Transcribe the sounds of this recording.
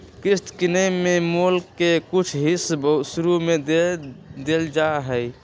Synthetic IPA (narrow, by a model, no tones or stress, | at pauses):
kɾɪst̪kinəmːemulkːekʊt͡ʃʰɦisbəsʊɾumed̪ | d̪eld͡ʒaɦəj